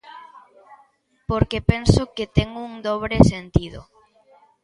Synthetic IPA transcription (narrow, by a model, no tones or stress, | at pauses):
poɾkepensoket̪ɛŋuŋd̪oβ̞ɾesent̪iðʊ̰